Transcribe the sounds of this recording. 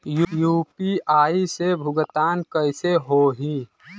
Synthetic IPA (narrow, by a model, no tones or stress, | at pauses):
jjuːpiaːisebʱʊɡət̪aːnkəɪseɦoɦi